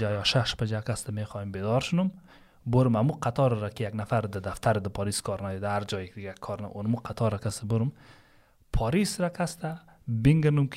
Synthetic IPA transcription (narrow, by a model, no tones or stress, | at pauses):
ajɔʃaʃpad͡ʒakʰast̪ameχɔjembed̪ɔɾʃʊnum | bʊɾumamuqat̪ʰɔɾɾakijaɡnafaɾd̪ad̪aft̪ʰaɾd̪əpʰɔɾiskʰɔɾnad̪id̪ahaɾd͡ʒɔjekd̪ɪɡakʰɔɾnaʔunmuqʰat̪ʰɔɾakʰast̪abʊɾum | pʰɔɾisɾakʰast̪a | biŋɡnumkʰ